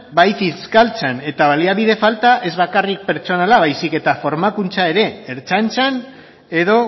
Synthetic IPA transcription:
bajθiskalt͡sene̞t̪aβaliaβiðe̞falt̪aʔe̞zβakarik̚pe̞ɾt͡ʃo̞nalaβ̞ajsike̞t̪afo̞ɾmakunt͡sae̞ɾe̞ːɾt͡sant͡san | e̞ðo̞

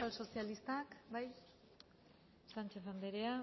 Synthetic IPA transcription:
also̞sialist̪akbaj | sant͡ʃefand̪eɾea

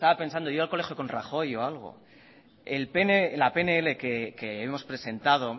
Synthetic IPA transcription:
st̪aβape̞nsand̪ojo̞alko̞le̞xjo̞kõ̞nraxo̞jo̞alɣ̞o̞̰ | elpenelape̞neele̞kekeemo̞spɾe̞se̞nt̪að̞o̞

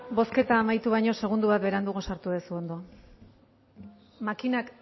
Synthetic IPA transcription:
bo̞ske̞t̪aːmajt̪uβajɲo̞se̞ɣ̞und̪uβat̪̚be̞ɾand̪uɣosaɾt̪uðesuo̞nd̪o̞ | makinak

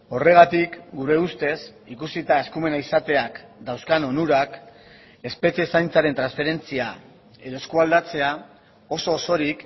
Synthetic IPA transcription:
o̞re̞ɣ̞at̪ikɡuɾe̞ust̪e̞s | ikusit̪ae̞skume̞naisat̪e̞akd̪awskano̞nuɾak | e̞spe̞t͡siesajnt͡saɾe̞nt̪ɾansfe̞ɾe̞nt͡sia̰ | e̞ðoe̞skuald̪at͡se̞a | o̞so̞ːso̞ɾik

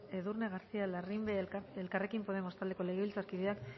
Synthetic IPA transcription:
e̞ðurne̞ɣaɾsialarimbeelkare̞kimpo̞ð̞e̞mo̞st̪ald̪e̞ko̞le̞ɣeilt͡saɾkiðeak

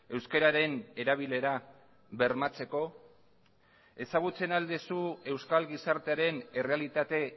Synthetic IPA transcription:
e̞wske̞ɾaɾe̞ne̞ɾaβ̞ile̞ɾa | βe̞ɾmat͡se̞ko̞ | e̞saɣ̞ut͡se̞nald̪esue̞wskalɣisaɾt̪e̞aɾe̞ne̞re̞alit̪at̪e̞

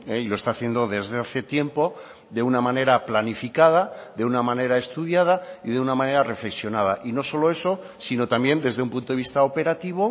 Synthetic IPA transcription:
eiloe̞st̪aːθje̞nd̪o̞ðe̞zðe̞aθe̞t̪je̞mpo̞ | ðe̞unamãne̞ɾaplanifikað̞aðe̞unamãne̞ɾae̞st̪uðjað̞aiðe̞unamãne̞ɾare̞fle̞ksjo̞nað̞a̰ʔino̞so̞lo̞e̞so̞ | sino̞t̪ambje̞nd̪e̞zðe̞umpunt̪oist̪aope̞ɾat̪iβ̞o̞

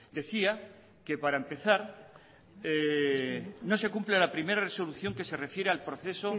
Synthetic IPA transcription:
d̪e̞θia | ke̞paɾaempe̞θaɾ | no̞se̞kumplelapɾime̞ɾareso̞luθjo̞ŋke̞se̞re̞fje̞ɾealpɾo̞θe̞so̞

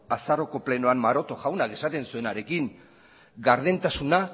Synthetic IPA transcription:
asaro̞ko̞ple̞noammaɾo̞t̪o̞ʝawnake̞sat̪e̞nsue̞naɾe̞kiŋ | ɡaɾðe̞nt̪asuna

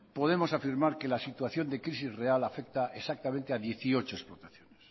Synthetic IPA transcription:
po̞ð̞e̞mo̞safiɾmaɾke̞lasit̪waθjo̞nd̪ekɾisizre̞alafe̞k̚t̪aʔesak̚t̪amẽnt̪eaðje̞θio̞t͡ʃoesplo̞t̪aθjoness

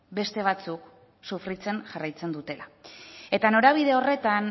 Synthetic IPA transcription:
be̞st̪e̞β̞at͡suk | sufɾit͡se̞nʝarajt͡se̞nd̪ut̪e̞lae̞t̪ano̞ɾaβ̞ið̞e̞o̞re̞t̪an

